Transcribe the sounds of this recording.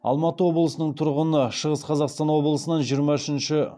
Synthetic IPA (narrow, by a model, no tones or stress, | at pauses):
ɑ̰lˠmɑt̪əwo̞blˠəsənəɴt̪ʰʊɾʁənəʃəʁəsqʰɑzɑqst̪ɑnwo̞blˠəsənɑnʒijəɾmɑʏʃɪnʃɪ